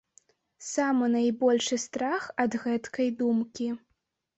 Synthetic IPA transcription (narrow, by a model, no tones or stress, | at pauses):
samɨnajbɔlʲʂɨst̪ɾaxɐd̪ɣɛt̪kɐjd̪umkʲi